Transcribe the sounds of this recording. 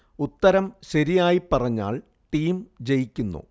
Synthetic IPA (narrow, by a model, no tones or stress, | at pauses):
ut̪ːɐɾɐmɕɐɾijaːjipːɐrɐɲːa̰ːɭ | ʈiːmd͡ʑe̞jikʲːunːṵ